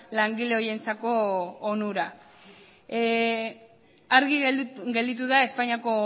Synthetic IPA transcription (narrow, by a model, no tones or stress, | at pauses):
laŋɡile̞oje̞nt͡sako̞ːnuɾa | aɾɣiɣɡe̞ld̪it̪̬uðae̞spaɲiako̞